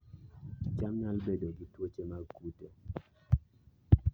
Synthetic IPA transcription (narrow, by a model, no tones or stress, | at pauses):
t͡ʃamɲalbedoɡitwot͡ʃemakute